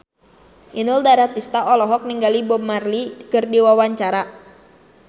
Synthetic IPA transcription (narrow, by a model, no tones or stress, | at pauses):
ʔinʊldaɾat̪ist̪aɔlɔɦɔk̚niŋɡalibɔmarlikərdiwawaɲt͡ʃaɾa